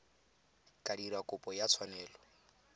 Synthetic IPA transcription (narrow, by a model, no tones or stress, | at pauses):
kʼadiɾakʼʊpʼɔjat͡sʰwanɛːlɔ